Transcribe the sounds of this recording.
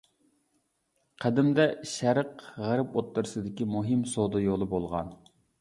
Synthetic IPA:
qʰæd̪ɪmd̪ɛʃæɾəqʁæɾɪpot̪ːɨɾɨsɨd̪ɪkʲimuɦɪmsod̪ɨjolˠɨbolˠʁɑ̰n

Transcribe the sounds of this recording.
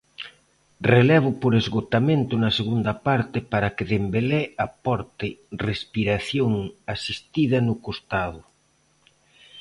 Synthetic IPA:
relɛβ̞ʊpoɾezɣot̪amẽnt̪ʊnɐseɣund̪ɐpaɾt̪ɪpaɾɐkeðembelɛapɔɾt̪ɪrespiɾaθjoŋasist̪iðɐnʊkost̪aðʊ

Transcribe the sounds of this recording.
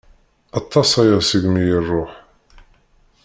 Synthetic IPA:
ɑt̪ˤːɑsæjæsiɡmijirˤːoħ

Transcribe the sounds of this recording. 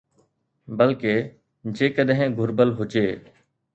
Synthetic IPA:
bəlkeː | d͡ʒeːkəɗɦɪ̃ɡʱʊɾbəlɦʊt͡ʃeː

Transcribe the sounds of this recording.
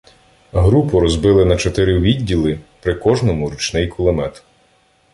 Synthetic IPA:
ɦɾupʊɾɔzbɪlˠɪnɐt͡ʃɔt̪ɪɾɪʋʲidʲːilˠɪpɾɪkɔʒnɔmʊɾut͡ʃnɪjkʊlˠɔmɛt̪

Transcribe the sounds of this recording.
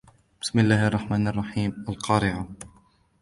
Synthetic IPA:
b̥ɪ̥smɪlːaːhʔɑrˤːɑħmaːnɑrˤːɑħiːmalqʰɑːɾɪʕa

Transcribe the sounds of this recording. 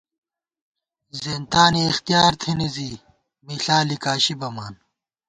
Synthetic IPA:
zeːnt̪aːniːxt̪ijaːɾt̪ʰenizi | miːɬaːlikaːɕibɐmaːn

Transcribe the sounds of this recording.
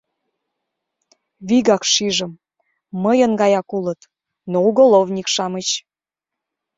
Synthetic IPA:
βiɣɑkʃiʒə̆mː | əjənɡɑjɑkulət̪ | nouɣolˠovnʲikʃɑmət͡ɕ

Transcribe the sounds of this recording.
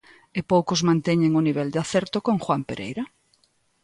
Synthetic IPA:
ɪpowkʊzmãnt̪ɛɲeŋʊniβ̞ɛld̪ɪaθɛɾt̪okõŋxwampeɾḛjɾɐ

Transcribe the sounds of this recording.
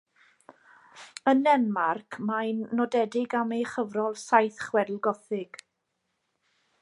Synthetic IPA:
ənɛnmarkʰmajnːɔdɛdɪɡamejχəvrɔlˠsajθχwɛdlˠɡɔθɪɡ̥

